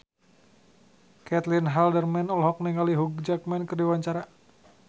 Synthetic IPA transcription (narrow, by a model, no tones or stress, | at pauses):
kɛt̪linɦaldərmɛnɔlɦɔk̚niŋaliɦuɡ̚d͡ʒak̚mɛnkərdiwaɲt͡ʃaɾa